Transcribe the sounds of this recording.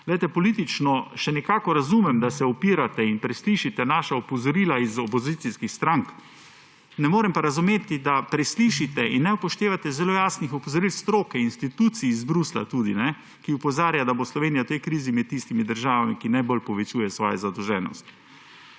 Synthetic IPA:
lɛjt̪ɛpɔliːt̪it͡ʃnɔʃɛnɛkaːkɔɾazuːmɛmd̪asɛɔpiːɾat̪ɛinpɾɛsliʃit̪ɛnaːʃaɔpɔzɔɾilaizɔpɔzit̪siskixst̪ɾaŋk | nɛmoːɾɛmpaɾazumeːt̪id̪apɾɛsliʃit̪ɛinːɛupɔʃt̪eːʋat̪ɛzɛloːjaːsnixɔpɔzɔɾilst̪ɾoːkɛinst̪it̪uːt̪siːzbɾusla̰t̪uːd̪inɛ | kiɔpɔzaːɾjad̪aboslɔʋeːnijawt̪ɛjkɾiːzimɛt̪̚t̪ːist̪imid̪əɾʒaːʋamikinajbolpɔʋɛt͡ʃuːjɛsʋɔːjɛzad̪ɔwʒɛːnɔ̰st̪

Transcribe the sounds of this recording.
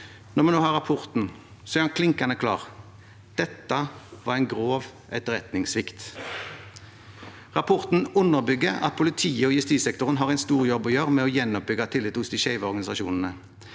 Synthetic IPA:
nɔʁmɛnoːhɑːʁɑpʰʊʁt̪n̩ | sɔæːʁɑnkʰlɪŋkɑnəkʰlɑ̰ːʁ | d̪̥ɛt̪ːɑʋɑːʁɛɪnɡʁoːʋʔɛt̪əʁɛt̪nɪŋsʋɪkt̪ | ʁɑpʰɔʁt̪n̩ʉnːəʁbʏɡːəʁɑ̰t̪̚pʰʊlɪt̪ʰiːəɔːjʉst̪iːsɛkt̪ʊʁənɦɑːʁæɪnst̪uːʁjɔbːɔjøːʁmɛɔjɛnːɔp̚bʏɡɑt̪ʰɪlːɪt̪ːhʊsd̪ɪʃæɪʋəɔʁɡɑnɪsɑʃṵːnn̩ə

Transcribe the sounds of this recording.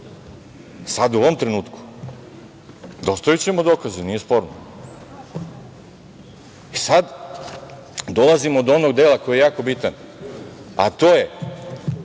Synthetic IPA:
sad̪uoʋo̞mt̪ɾenuːt̪ku̥ | d̪o̞st̪ojut͡ɕemod̪o̞ːkaziniːje̞spo̞ːɾno | isad̪ | d̪o̞lˠazimood̪onoɡd̪eːlako̞jejaːko̞bit̪an | a̰t̪oːje

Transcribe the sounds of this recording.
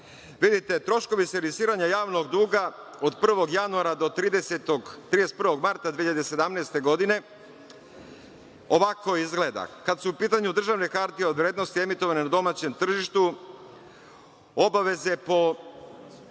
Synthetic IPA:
ʋid̪it̪e̞t̪ɾo̞ʃko̞ʋiselisiːɾaɲajaːʋno̞ɡd̪uːɡao̞d̪pr̩ʋo̞ɡjanuaɾad̪o̞t̪ɾiːd̪eset̪oɡt̪ɾiːest̪pr̩ʋo̞ɡmaɾt̪ad̪ʋiːʎjad̪ese̞d̪amneːst̪e̞ɡo̞d̪ine̞ | oʋako̞izɡle̞ːd̪a̰kad̪suːpiːt̪aɲud̪ɾr̩ʒaʋne̞kaɾt̪ieod̪ʋɾje̞ːd̪no̞st̪ie̞mit̪o̞ʋanenad̪o̞maːt͡ɕe̞mt̪r̩ʒiʃt̪u | o̞baʋe̞ze̞po̞

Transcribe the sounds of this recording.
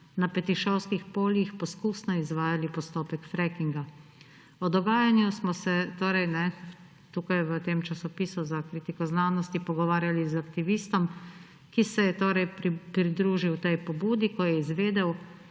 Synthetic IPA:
napɛt̪iʃɔwskixpoːljixpɔskuːsnɔizʋaːjalipɔst̪oːpɛkfɾɛkiŋɡa | ɔd̪ɔɡaːjanjusmɔsɛt̪oːɾɛjnɛ | t̪uːkajʋət̪eːmt͡ʃasɔpiːsuzakɾiːt̪ikɔznaːnɔst̪ipɔɡɔʋaːɾjalizakt̪iʋiːst̪ɔm | kisɛjɛt̪oːɾɛjpɾid̪ɾuːʒiwt̪ɛjpɔbuːd̪ikɔjɛizʋeːd̪ɛw

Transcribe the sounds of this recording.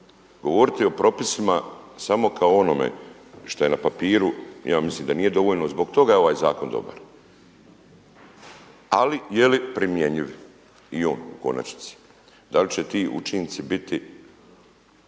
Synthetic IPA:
ɡo̞ʋo̞ɾit̪io̞pɾo̞pisimasamo̞kʰaoo̞no̞mḛ | ʃt̪oje̞napapiːɾṵjaːmisliːmd̪aniːje̞d̪o̞ʋoʎno̞zbo̞ɡt̪o̞ɡajeo̞ʋaːjzaːko̞nd̪o̞̰ba̰ɾ | a̰lijelipɾimje̞ɲiʋ | io̞ːnuko̞̰na̰t͡ʃni̥t̪si̥ | d̪alit͡ɕe̞t̪iːṵt͡ʃint̪sibit̪i

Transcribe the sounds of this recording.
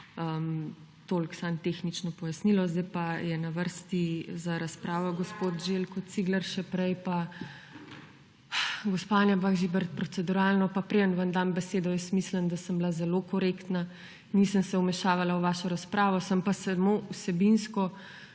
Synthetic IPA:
əm | t̪oːlksant̪exnit͡ʃnɔpɔjasnilɔzd̪ajpajɛnaʋəɾst̪izaɾaspɾaːʋɔɡɔspot̪ʒelkɔt̪̚siɡlɐɾʃɛpɾɛjpa | ɡɔspanjabaɣʒibɛɾt̪̚pɾɔt̪sɛd̪uɾalnɔpapɾeənʋamd̪ambɛseːd̪ɔjəst̪mislənd̪asəmblazɛlokɔɾekt̪na | nisənsɛumɛʃaːʋalawʋaːʃɔɾaspɾaːʋɔsampasamousɛbinskɔ

